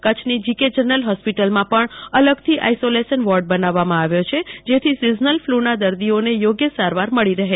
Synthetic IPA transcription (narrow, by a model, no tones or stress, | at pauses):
kət͡ʃʰnid͡ʒiked͡ʒəɾnəlɦɔspiʈəlmãpəɳələɡt̪ʰiʔa̰jsolesənʋɔɾɖ̚bənaʋːamãaʋjot͡ʃʰed͡ʒet̪ʰisiznəlflunad̪əɾd̪ionejoɡjəsaɾʋaɾməɭiɾəɦe